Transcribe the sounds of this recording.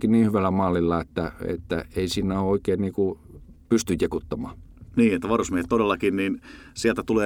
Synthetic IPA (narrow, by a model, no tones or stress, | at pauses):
kinniːhyʋælæmɑːlːilːɑet̪ːæḛt̪ːæeisiːnːæoːoikeːnniːku | pyst̪yjjekut̪ːɑmɑːniːet̪ːæʋɑrusmiehet̪t̪odelːɑkinniːnsiælt̪æt̪uleː